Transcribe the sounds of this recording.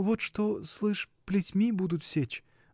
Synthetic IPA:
vot̪ʂt̪oslˠɨʂ | plʲɪtʲmʲibud̪ʊt̪fsʲet͡ɕ

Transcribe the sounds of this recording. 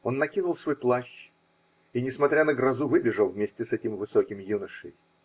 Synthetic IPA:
o̞nːɐkʲinʊlˠsvo̞jplˠaɕː | inʲɪsmɐt̪ɾʲanəɡɾɐzuvɨbʲɪʐəlˠvmʲesʲtʲɪsɛtʲɪmvɨsokʲɪmjunəʂɨ̰j

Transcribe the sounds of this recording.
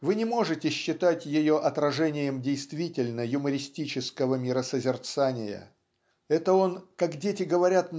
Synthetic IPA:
vɨnʲɪmo̞ʐɨtʲɪɕːɪt̪atʲjɪjo̞ʔɐt̪ɾɐʐɛnʲɪjəmdʲejst̪vʲitʲɪlʲnəjʊməɾʲɪsʲtʲit͡ɕɪskəvəmʲɪɾəsəzʲɪrt̪sanʲɪjə̰ | ɛt̪əo̞nkakdʲetʲɪɡəvɐɾʲat̪

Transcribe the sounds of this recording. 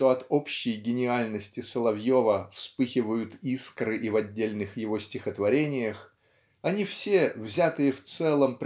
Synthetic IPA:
t̪o̞ɐt̪opɕːɪjɡʲɪnʲɪalʲnəsʲtʲɪsəlˠɐvjovəfspɨxʲɪvəjʊt̪iskɾɨʔivɐdʲːelʲnɨxjɪvo̞sʲtʲɪxət̪vɐɾʲenʲɪjəx | ɐnʲifsʲe̞vzʲat̪ɨjəft̪sɛlˠəmp

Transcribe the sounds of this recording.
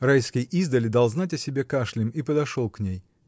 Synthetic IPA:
rajskʲɪjizd̪əlʲɪd̪alˠznatʲɐsʲɪbʲe̞kaʂlʲɪmipəd̪ɐʂolˠknʲej

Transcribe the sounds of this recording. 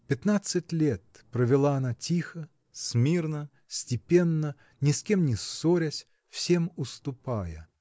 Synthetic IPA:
pʲɪt̪nat̪sɨtʲlʲet̪̚ | pɾəvʲɪlˠaɐnatʲixə | smʲirnə | sʲtʲɪpʲe̞nːə | nʲɪskʲe̞mnʲɪsːoɾʲəsʲ | fsʲe̞mʊst̪ʊpajə

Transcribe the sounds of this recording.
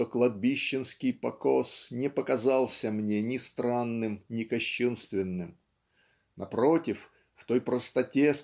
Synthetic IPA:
oklˠɐd̪̚bʲiɕːɪnskʲɪjpɐko̞snʲɪpəkɐzalˠsʲəmnʲe̞nʲɪst̪ɾanːɨmnʲɪkɐɕːunst̪vʲɪnːɨm | nɐpɾo̞tʲɪf | ft̪o̞jpɾəst̪ɐtʲe̞s

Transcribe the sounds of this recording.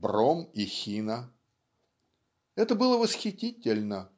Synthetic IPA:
bromixʲinə | ɛt̪əbɨlˠəvəsxʲɪtʲitʲɪlʲnə

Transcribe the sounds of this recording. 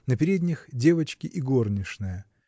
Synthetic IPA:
nəpʲɪɾʲedʲnʲɪxdʲe̞vət͡ɕkʲɪʔiɡo̞rnʲɪʂnɨjə

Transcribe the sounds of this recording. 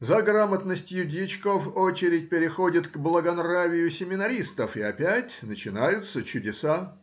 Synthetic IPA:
zɐɡramət̪nəsʲtʲjʊdʲit͡ɕkovot͡ɕɪɾʲɪtʲpʲɪɾʲɪxodʲɪt̪ɡblˠəɡɐnravʲɪjʊsʲɪmʲɪnɐɾʲist̪əfɪɐpʲætʲnət͡ɕɪnajʊt̪sət͡ɕʊdʲɪsa

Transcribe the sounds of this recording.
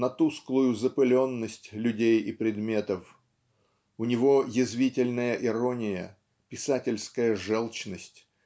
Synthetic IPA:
nɐt̪usklˠʊjʊzəpɨlʲo̞nːəsʲtʲlʲʉdʲejipɾʲɪd̪mʲe̞t̪əf | ʊnʲɪvo̞jɪzvʲitʲɪlʲnəjəʔɪɾonʲɪjə̰ | pʲɪsatʲɪlʲskəjəʐɛlˠt͡ɕnəsʲtʲ

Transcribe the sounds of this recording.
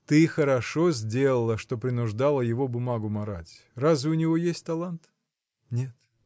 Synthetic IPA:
t̪ɨxəɾɐʂo̞zʲdʲe̞lˠəlˠəʂt̪o̞pɾʲɪnʊʐd̪alˠəjɪvo̞bʊmaɡʊmɐɾatʲ | razvʲɪʊnʲɪvo̞jesʲtʲt̪ɐlˠant̪ | nʲe̞t̪

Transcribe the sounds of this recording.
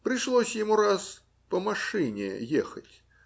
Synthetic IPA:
pɾʲɪʂlˠosʲjɪmuɾas | pəmɐʂɨnʲɪ̰jexətʲ

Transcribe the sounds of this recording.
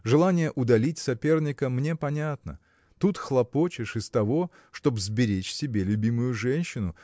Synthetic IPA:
ʐɨlˠanʲɪjəʔʊd̪ɐlʲitʲsɐpʲe̞rnʲɪkəmnʲe̞pɐnʲat̪nə̰ | t̪ut̪xlˠɐpo̞t͡ɕɪʂɨst̪ɐvo̞ | ʂt̪o̞bzbʲɪɾʲet͡ɕsʲɪbʲelʲʊbʲimʊjʊʐɛnʲɕːɪnʊ

